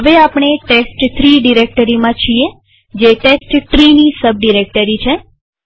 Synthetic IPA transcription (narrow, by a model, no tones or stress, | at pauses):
ɦəʋeapɳ̃eʈesʈt̪ʰɾiɖiɾek̚ʈəɾimãt͡ʃʰie | d͡ʒeʈesʈʈɾinisəb̚ɖiɾek̚ʈəɾit͡ʃʰe